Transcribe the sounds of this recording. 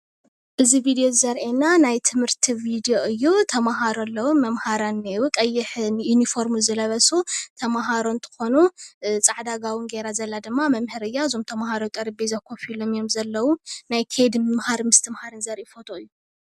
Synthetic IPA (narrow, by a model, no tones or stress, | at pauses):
ʔɨzivid̪ijozɐɾʔenːanajt̪ʰɨmhɨɾt̪ʰivid̪ijoɨjːut̪ʰɐmaɦaɾolːɐwumɐmhaɾanːiwukʼɐjːɪħɨnjunifo̞ɾmuzɨlɐβɐsut̪ʰɐmaɦaɾo̞nt̪ʰɨ̥xo̞nut͡sʼaʕd̪aɡawɨnɡeɾazɐlːad̪ɨmːamɐmhɨɾɨjːaɨzo̞mt̪ʰɐmahaɾowt̪ʼɐɾibezɐkʰofilomjo̞mzɐlːɐwunajkʰed̪mɨmhaɾmɨst̪ʰɨmhaɾɨnzɐɾʔefot̪ʰʼoɨjːu